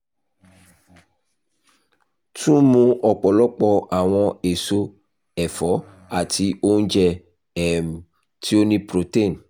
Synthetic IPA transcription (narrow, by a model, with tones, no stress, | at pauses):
tũ˦mũ˦ɔ˨k͡pɔ˨lɔ˦k͡pɔ˦a˨w̃ɔ̃˧e˨so˦ | ɛ˨fɔ˨˦ | a˨ti˧ʔo˦n̩˦d͡ʒɛ˧ | ɛ˨m˨ | tʰi˦o˦nĩ˦pɾo˨te˦˨n